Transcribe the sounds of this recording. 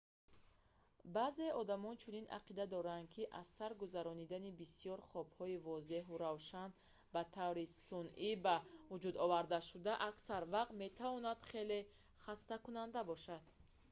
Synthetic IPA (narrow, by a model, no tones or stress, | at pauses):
baze̞ɔd̪amɔnt͡ʃʰunina̰qid̪ad̪ɔɾand̪̚kʰiʔasːaɾɡuzaɾɔnid̪anibisijɔɾχɔbhɔivɔze̞ɦuɾavʃan | bat̪ʰavɾisunʔibavud͡ʒud̪ɔvaɾd̪aʃud̪aʔaksaɾvaqt̪me̞t̪ʰavɔnad̪̥χe̞le̞ | χast̪akunand̪abɔʃad̪̥